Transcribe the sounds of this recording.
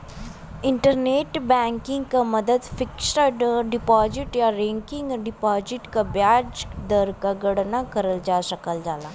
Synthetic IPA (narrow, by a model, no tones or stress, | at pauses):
ɪɳʈəɾneːʈbɛ̃ŋkɪ̃ŋɡkaməd̪əd̪fɪksəɖɖɪpɔːzɪʈjaɾɛ̃ŋkɪŋɡɖɪpɔːzɪʈkabjaːd͡ʒd̪əɾkaɡəɽnakəɾəld͡ʒaːʃəkəld͡ʒaːlaː